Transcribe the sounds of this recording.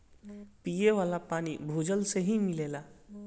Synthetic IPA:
pijeʋaːlapaːnibʱuːd͡ʒəlseɦimɪleːlaː

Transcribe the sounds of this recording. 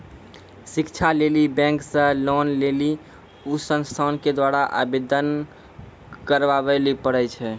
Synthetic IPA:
sikt͡ʃʰalelibɛ̃ŋksə̃lonleli | usə̃nst̪ʰanked̪waɾaʔa̰bed̪ən | kəɾʋabɛlipəɽɛt͡ʃʰɛ

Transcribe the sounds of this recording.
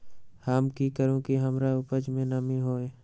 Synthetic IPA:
haːmkikəɾõkiɦəmɾaʊpəd͡ʒmẽnəmĩɦoːeː

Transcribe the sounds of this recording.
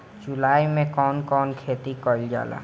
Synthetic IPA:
d͡ʒʊlaːimẽkɔːnkɔːnkʰeːt̪ikəld͡ʒa̰ːla̰ː

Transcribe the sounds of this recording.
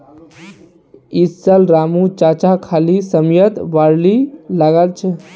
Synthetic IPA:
isəlɾamut͡ʃat͡ʃakʰalisəmjət̪ʋaɾlilaɡalt͡ʃʰɛ

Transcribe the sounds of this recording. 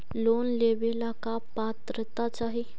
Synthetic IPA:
lonleʋelakapat̪ɾət̪at͡saɦi

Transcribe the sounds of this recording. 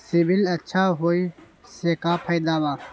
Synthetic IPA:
sibilɐtːʃʰaɦoːi | sekaːpʰəjd̪aːwaː

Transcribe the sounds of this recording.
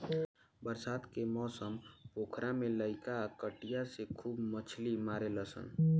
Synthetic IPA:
bəɾsad̪kemɔsəmpokʰɾameləɪkakəʈijasekʰuːbmət͡ʃʰlimaɾeləsə̰n

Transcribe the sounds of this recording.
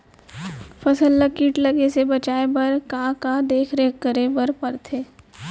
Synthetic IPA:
fɐsəlːəkiːʈlɐɡesebɐt͡ʃaːebɐɾkaːkad̪eːkʰɾeːkkəɾebəɾpɐɾt̪ʰeː

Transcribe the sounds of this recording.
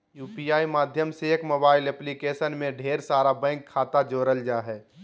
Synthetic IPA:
juːpijaːimaːd̪ʱjəmseekmoːbaːɪlɛplikeːsənmẽɖʱeːɾsaːɾabɛ̃ɪŋkʰːaːt̪ad͡ʒoːɾəld͡ʒaːɦɛː

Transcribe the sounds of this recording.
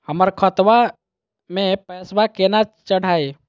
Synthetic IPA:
həməɾkʰət̪ʋa | mẽpɛːswakenat͡ʃəɽ̤aːe

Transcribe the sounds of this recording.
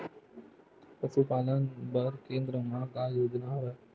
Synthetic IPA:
pəsupaːlənbəɾkẽːnd̪ɾəmãɡaːjoːd͡ʒnaɦɾə

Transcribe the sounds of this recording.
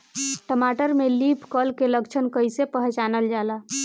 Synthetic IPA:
ʈəmaʈəɾmelipʰkəlkeləkt͡ʃʰənkəjsepəɦt͡ʃanəld͡ʒala

